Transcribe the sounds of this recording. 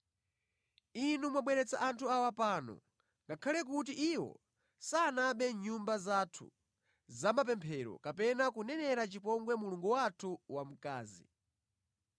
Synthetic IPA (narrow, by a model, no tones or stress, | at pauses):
inumwaɓwɛɾɛt͡saʔantʰuawapaːnɔ̰ | ŋɡakʰalɛk̬ut̬iʔiwɔ̰ | saːnaɓɛɲumbazatʰṵ | zamap̬ɛmpʰɛɾɔ̰kapɛnakunɛnɛɾat͡ʃipɔŋɡwɛmuluŋɡuwatʰuwam̩kaːzḭ